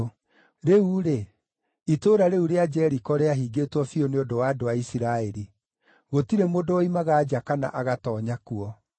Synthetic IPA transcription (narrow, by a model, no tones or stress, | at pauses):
ɾeuɾe | itoːɾaɾeuɾead͡ʒɛɾikɔɾeaɦiɡeːtwɔfioneodowaːdoaisiɾaɛɾi | ɣotiɾemodooimaɣaːd͡ʒakana̰ʔaɣatɔːɲakuɔ